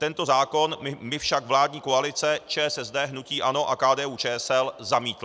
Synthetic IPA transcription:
t̪ɛnt̪o̞zaːko̞nmɪfʃakvlaːdɲiːkoalɪt͡sɛt͡ʃɛːɛsɛzdɛːɦnuciːʔano̞ʔakaːdɛːuːt͡ʃɛːɛsɛlzamiːt̪l

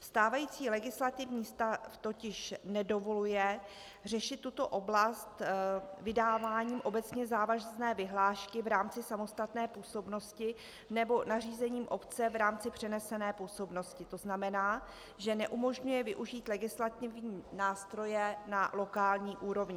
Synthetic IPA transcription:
fst̪aːvajiːt͡siːlɛɡɪslat̪ɪvɲiːst̪aft̪o̞cɪʃnɛdo̞volujɛ | r̝ɛʃɪt̪ːut̪o̞ʔo̞blast̪vɪdaːvaːɲiːmʔo̞bɛt͡sɲɛzaːvaʒznɛːvɪɦlaːʃkɪvɾaːmt͡sɪsamo̞st̪at̪nɛːpuːso̞bno̞scɪ | nɛbo̞nariːzɛɲiːmʔo̞pt͡sɛvɾaːmt͡sɪpr̝̥ɛnɛsɛnɛːpuːso̞bno̞scɪt̪o̞znamɛnaː | ʒɛnɛʔumo̞ʒɲujɛvɪʔuʒiːt̪lɛɡɪslat̪ɪvɲiːnaːst̪ɾo̞jɛnalo̞kaːlɲiːʔuːɾo̞vɲɪ

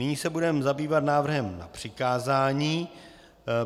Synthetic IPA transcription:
nɪɲiːsɛbudɛmzabiːvat̪naːvr̩ɦɛmna̰pr̝̥ɪkaːzaːɲiː

